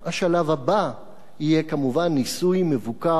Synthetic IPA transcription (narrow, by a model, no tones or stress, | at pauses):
haʃalavhaba | ijekamuvanːisujmevuka